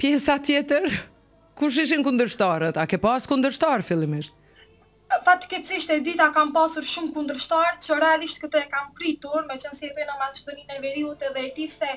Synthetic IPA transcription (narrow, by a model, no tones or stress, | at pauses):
pjɛsat̪jɛt̪ɛɾ | kuʃiʒĩŋkũnd̪əɾʃt̪ɔɾt̪akɛpaskũnd̪əɾʃt̪ɔɾfilˠimɛʃt̪ | fak̚t̪i̥kɛt̪siʃt̪ɛd̪it̪akampasuɾʃumkund̪əɾʃt̪aɾt͡ʃɔɾɛaliʃt̪kət̪ɔɛkampɾit̪uɾmɛt͡ʃɛnsiɛt̪ɔnɐ̃maziʃd̪ɔninavɛɾiut̪ɛðɛɛt̪ist̪ɛ